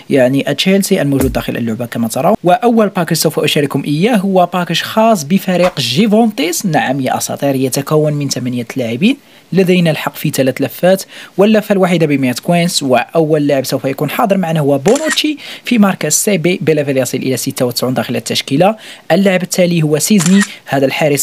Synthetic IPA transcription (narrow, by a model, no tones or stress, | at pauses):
jaʕniʔæt͡ʃelt̪iʔəlmuʒud̪̚ːæxə̰lʔə̰lːʊʕbakæmæt̪ɑɾˤɑwəʔəwːəlpɑkəʃsəwfæʔʊʃæɾəkhʊmʔəjːæɦʊwːæpɑkəʃxɑs̬ˤbəfæɾiqʒivont̪ˤisnaʕamjaʔɑ̰sˤɑ̰t̪ˤiɾhəjæt̪ækæwːənmənt̪æmænjælaʕibin | ləd̪æjnælħɑqːfit̪ælæt̪læfːæt̪wəlːæfːælwaħid̪abəmet̪kwinswəʔəwːæləlːaʕəbsəwfæjækunħɑd̪ˤəɾmaʕnæhʊwːæbonut̪ifimɑɾˤkæsebibəlæfæljɑsˤilʔə̰læsit̪ːawət̪ə̥sʕund̪ɑxələt̪ːæʃkilaʔəlːaʕəbət̪ʰːælihʊwːæsiznihæd̪ælħaɾəs